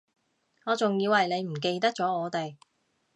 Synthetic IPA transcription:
ŋɔː˨˧t͡sʊ˨ŋjiː˧whɐ˨jne˨˧jm̩˨˩k̬e˧jt̪ɐ˥k̚t͡sɔː˨˥ŋɔː˨˧t̪e˨˩j

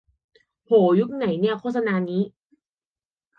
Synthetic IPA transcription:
hoː˩˦ju˦˥k̚na˩˦jni˥˩ɐkʰoː˥˩t̪̚sa˧naː˧niː˦˥

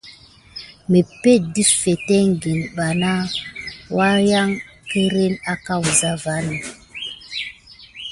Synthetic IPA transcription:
me˨pe˦˨t̚di˦sfe˨tɛ˦ŋ˨ɡe˨nɓa˨na˦wa˦ja˦ŋ | kə˦ɾe˦na˦ka˦˨wza˦va˦nə˨

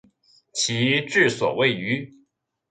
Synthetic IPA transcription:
t͡ɕʰi˧˥ʈ͡ʂɻ̩˥˩swɔ̰˨˩we˥˩ɪy˧˥

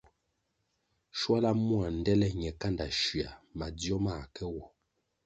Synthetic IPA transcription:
ʃwa˦la˦mu˦a˨n̩˨dɛ˦lɛ˦ɲɛ˨ka˦nda˨ʃɥa̰˨ma˨djɔ˦ma˦˨kɛ˦wɔ˨

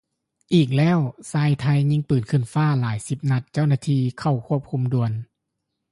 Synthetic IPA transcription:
ʔiː˨˩k̚lɛː˥˨wsaː˧jt̪ʰa˧jɲi˧˥ŋpɯː˨˩nkʰɯ˧˩ə˨nfaː˥˩laː˩˦jsi˧˦p̚na˧˥t̪̚t͡ɕa˥˩wnaː˧˩t̪ʰiː˧kʰa˧˩wkʰu˥˩əp̚kʰu˧mdu˧˩ən

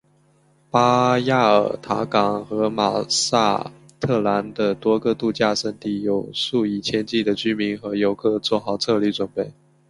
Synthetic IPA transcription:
pa˥ja˥˩ə˞˨˩t̪ʰa˧˥kɑ˨˩ŋxɤ˧˥ma̰˨˩sa̰˥˩ | t̪ʰɤ˥˩la˧˥nd̪ə˧t̪wɔ˥ɡə˥˧t̪u˥˧t͡ɕja˥˧ʂə˥˧nt̪i˥˩jo˨˩ʊʂu˥˧˩i˨˩t͡ɕʰjɛ˥nt͡ɕi˥˩d̪ə˩t͡ɕy˥mi˧˥ŋxɤ˧˥jo˧˥ʊkʰɤ˥˧t͡swɔ˥˩xɑ˧˥ʊt͡sʰɤ˥˧li˥˩t͡swə˨˩npe˥˩ɪ

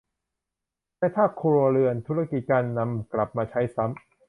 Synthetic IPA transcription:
t̪ɛː˧˩t̪ʰaː˥˩kʰoː˧ɾoː˧ɾɯ˧ənt̪ʰu˦˥ɾa˥˩ki˨˩t̪̚kaː˧nːa˧mkla˨˩p̚maː˧t͡ɕʰa˦˥jsa˦˥m

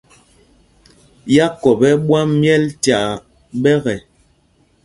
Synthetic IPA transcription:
ja˦kɔ˨bɛ˦ɓwa˦mjɛ˦ltja˨ | bɛ˦ɣɛ˨

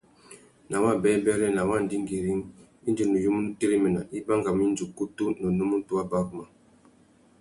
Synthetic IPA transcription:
na˨wa˦˨bɛ˦bɛ˦lɛ˦na˨wa˦˨n˨di˦ŋɡi˨ɾi˦ŋ | i˦nd͡ʒi˨nu˨ju˦mu˦n˦te˦ɾi˦mi˨na˨ʔi˦ba˦ŋɡa˨mi˦n˦d͡ʒu˨ku˦tu˦nə˨nu˦mu˦tu˦a˦ba˦kma˨

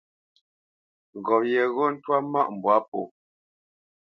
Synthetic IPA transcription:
ɣɔ˨pjɛ˨ɣo˦n̩˦twa˦ma̰˦˨ʔm̩˨bwa˨˦p̚o˨

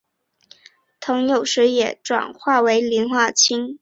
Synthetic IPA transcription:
t̪ʰɤ˧˥ŋjo˨˩ʊʂɻ̩˧˥jɛ˨˩ʈ͡ʂwa̰˨˩nxwa˥˩we˧˥ɪli˧˥nxwa˥˩t͡ɕʰi˥n

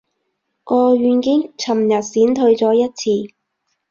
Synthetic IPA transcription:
kɔː˧ɥyː˨˧nkɪ˥ŋt͡sʰɐ˨˩mjɐ˨t̚siː˨˥nt̪ʰɵ˧ɥt͡sɔː˨˥jɐ˥t̚t͡sʰiː˧

